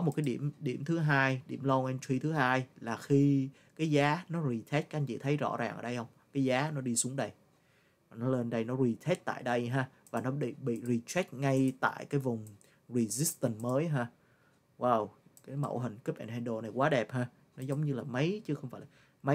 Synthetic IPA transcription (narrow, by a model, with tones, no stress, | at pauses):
kɔ˨˦mo˨˩kaː˨˦jɗi˧˩əmɗi˧˩əmt̪ʰɨ˨˦ɦaː˧jɗḭ˧˩əmlɔ˧ʔɛ˧nt͡ɕʰwi˧t̪ʰɨ˨˦ɦaː˧jlaː˨˩xi˧ | kaː˨˦jzaː˨˦nɔ˨˦zi˨˧˩t̪ʰɛ˦˥t̚ka˦˥ʔŋt͡ɕḭ˧˩t̪ʰə˨˦jzɔ̰˧˥zaː˨˩ŋʔə̰ː˧˩ɗə˧jhə˧wŋ͡mkaː˨˦jzaː˨˦nɔ˨˦ɗi˧su˨˦əŋɗə˧j | va˨˩nɔ˨˦le˧nɗə˧jnɔ˨˦zi˧˩t̪ʰe˦˥t̚t̪a̰ː˧˨jɗə˧jɦaː˧ | vaː˨˩nɔ˨˦ɓḭ˧˨ɓḭ˧˨zi˧˩t͡ɕɛ˦˥t̚ŋa˧jt̪a̰ː˧˨jkaː˨˦jvʊ˨˩ŋ͡m | zi˧˩zi˦˥st̪ə˧˩nməː˨˦jɦaː˧ | waː˧˩wkaː˨˦jmə̰˧˩wɦï˨˩ŋ̟ki˦˥p̚ʔɛ̰˧˩nha˧˩ɗo˨˩na˨˩jkwaː˨˦ɗɛ˨˩p̚haː˧ | nɔ˨˦zə˨˦wŋ͡mɲɨ˧laː˨˩mə˨˦jt͡ɕɨ˨˦xə˧wŋ͡mfaː˧˩laː˨˩mə˨˦